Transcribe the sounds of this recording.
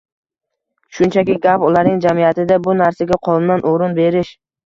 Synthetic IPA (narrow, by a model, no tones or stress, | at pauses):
ʃʊnt͡ʃʰakʲɪɡʲapʊlaɾnɪŋd͡ʒamijat̪ɪd̪abʊnaɾsaɡʲaqʰɒlˠnnanʔoɾʊnbe̞ɾɪʃ